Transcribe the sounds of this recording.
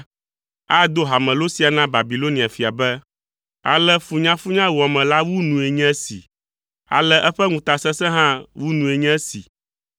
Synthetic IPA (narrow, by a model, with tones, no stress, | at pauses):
a˦d̪o˦ɦa˨mɛ̃˨lo˦si˨a˨nã˦ba˨bi˨lo˦nĩ˨a˨fi˨a˨bɛ˦ | a̰˨lɛ˦fu˨ɲã˦fu˦ɲã˦wɔ˨mɛ̃˨la˦wu˦nũ˨e˨ɲɛ̃˦sḭ˨ | a̰˨lɛ˦ʔɛ˦ɸɛ˦ŋũ˨t̪a˨sɛ˦sɛ̃˦ɦã˦wu˦nũ˨e˨ɲɛ̃˦sḭ˨